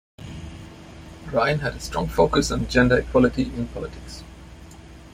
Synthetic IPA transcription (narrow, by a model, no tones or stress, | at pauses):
ɹãɪ̃nɦædəstɹ̥ɔ̃ŋfoʊkəsə̃nd͡ʒɛ̃ndəɪkʰw̥ɔlɪʈiʔɪ̃npʰɔlɪʈʰɪks